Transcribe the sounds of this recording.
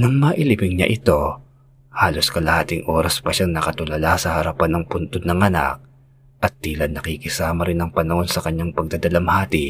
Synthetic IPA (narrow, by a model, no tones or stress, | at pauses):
nɐŋmɐʔɪlɪbɪŋɲa̰ʔɪt̪o̞ | haːlo̞skɐlɐhaːt̪ɪŋʔo̞ːɾɐspɐʃaŋnɐkɐt̪ʊlɐlasɐhɐɾɐpanɐŋpʊnt̪od̪̚nɐŋʔɐna̰k̚ | ʔɐt̪̚ːiːlɐnːɐkikɪsaːmɐɾɪnɐŋpɐnɐho̞nsɐkɐɲːaŋpɐɡ̚d̪ɐd̪ɐlɐmhaːt̪ɪ